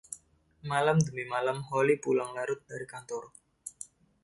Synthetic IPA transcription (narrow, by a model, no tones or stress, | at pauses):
malamd̪əmimalamɦɔlipulaŋlaɾʊt̪̚daɾikant̪ɔr